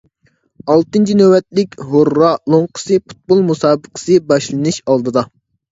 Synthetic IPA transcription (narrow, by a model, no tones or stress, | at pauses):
ɑlˠt̪ɨnt͡ʃʰinøwɛt̪̚lɪkʲɦoɾːɑlˠoŋqʰə̥sɨpu̥t̪̚bolˠmusɑːbəqʰə̥sɨbɑʃlˠɨnɨʃɑlˠd̪ɨd̪ɑ